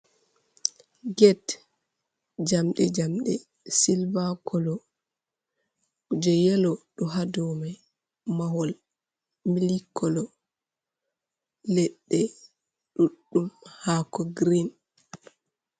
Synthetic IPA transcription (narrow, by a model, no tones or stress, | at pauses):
ɡɛt | d͡ʒamɗɛd͡ʒamɗɛ | silbakʰɔlɔ | d͡ʒɛjɛlɔɗɔɦadɔma | mawɔl | milikʰɔlɔ | lɛɗːɛ | ɗuɗːumhakɔɡɾin